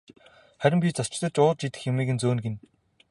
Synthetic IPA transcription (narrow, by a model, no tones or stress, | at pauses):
χæɾʲɪ̆mpʲiːt͡sast͡ɕt̪ə̆t͡ɕʊːə̆t͡ɕit̪ɘ̆xjemiːɣɘ̆nt͡soːnɡen